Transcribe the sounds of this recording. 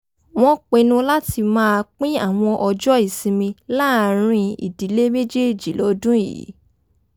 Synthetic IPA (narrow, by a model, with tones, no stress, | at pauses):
w̃ɔ̃˦k͡pe˧nũ˧la˦ti˧mãː˦˧k͡pĩ˦a˦˨w̃ɔ̃˧ʔɔ˧d͡ʒɔ˦i˦˨sĩ˧mĩ˧la˦˨˧ɾ̃ĩ˧ḭ˨di˨˦le˦me˦d͡ʒe˦i˨d͡ʒi˨˦lɔ˧˦dũ˦i˦˨ḭ˨˦